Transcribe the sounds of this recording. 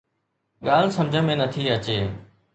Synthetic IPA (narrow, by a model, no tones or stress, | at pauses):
ɠaːl̤səmd͡ʒʱə̃mẽːnət̪ʰiːət͡ɕeː